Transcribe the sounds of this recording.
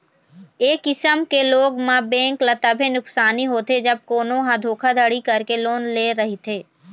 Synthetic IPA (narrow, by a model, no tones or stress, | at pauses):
eːkːɪsəmkeloːɡmãbɛ̃ːŋklɐt̪əbʱenʊksaːniɦoːt̪ed͡ʒɐb̚koːnõɦãd̪ʱoːkʰad̪ʱəɽikɐɾkeloːnleːɾɐɦit̪ʰeː